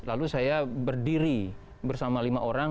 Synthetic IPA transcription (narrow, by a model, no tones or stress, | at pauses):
lalusajabərdiɾi | bərsamalimaʔoɾaŋ